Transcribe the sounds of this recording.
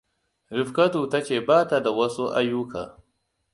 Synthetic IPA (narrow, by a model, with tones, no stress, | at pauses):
ɾɪ˨ɸkɐ˦tuː˨tɐ˦t͡ʃeː˨baː˦ta˨da˨wɐ˦su˦ʔa̰˦ju˦kʰaː˨